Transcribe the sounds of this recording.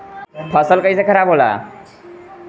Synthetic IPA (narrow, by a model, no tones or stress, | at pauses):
pʰʌsʌlkʌjt͡sʌkʰʌɾabɦola̰